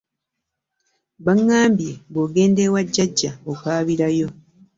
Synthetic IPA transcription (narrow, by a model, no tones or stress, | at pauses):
βaŋːaːmbjeβoːɡe̞ːnde̞waɟːaɟːaokaːβiɾajo̞